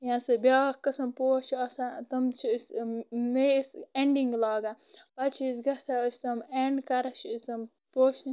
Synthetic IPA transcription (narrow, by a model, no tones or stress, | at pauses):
jãːsɨbʲjaːkɐsɐmpoːt͡ʃʰɐːsat̪ɐmt͡ʃʰsmeseɳɖiŋɡlaːɡa | pɐt͡ʃʰisɡɐsaəsʰʲt̪ɐmeɳɖkɐɾɐt͡ʃʰːsʲt̪ɐm | poːt͡ʃʰ